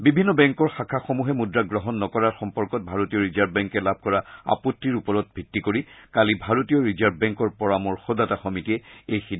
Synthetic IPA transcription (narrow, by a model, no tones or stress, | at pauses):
bibʱinːɔbɛŋkɔɹxakʰaxomuɦɛmudɹaɡɹɔɦɔnːɔkɔɹaɹxɔmpɔɹkɔt̚bʱaɹotijɔɹizaɹbbɛŋkɛlabʱkɔɹaa̰potːiɹupɔɹɔt̚bʱitːikoɹikalibʱaɹotijɔɹizaɹb̚bɛŋkɔɹpɔɹamɔɹxɔdataxɔmitiɛejxid